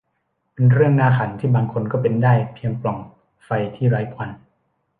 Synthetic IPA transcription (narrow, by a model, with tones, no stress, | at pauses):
pe˧nɾɯ˥˩əŋnaː˥˩kʰa˩˦nt̪ʰiː˥˩baː˧ŋkʰo˧nkɔː˥˩pe˧ndaː˥˩jpʰiː˧əŋplɔ˨˩ŋ | fa˧jt̪ʰiː˥˩ɾaː˦˥jpʰwa˧n